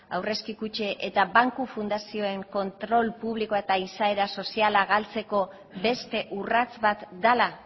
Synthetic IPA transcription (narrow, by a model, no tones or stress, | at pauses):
awre̞skikut͡ʃeʔet̪abaŋkufund̪asio̞e̞ŋko̞nt̪ɾo̞lpuβ̞liko̞aet̪aisae̞ɾaso̞sialaɣalt͡se̞ko̞ | be̞st̪e̞ʔurat͡sβat̪d̪ala